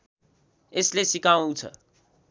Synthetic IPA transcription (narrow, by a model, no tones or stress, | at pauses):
eslesikaõt͡sʰʌ̰